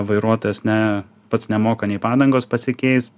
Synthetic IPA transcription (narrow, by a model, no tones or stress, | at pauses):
ʋɐɪɾuɔt̪oːjɛsnʲɛ | pɐt̪snʲɛmoːkɐnʲɛɪpɑːd̪ɐŋɡoːspɐsʲɪkʲɛɪs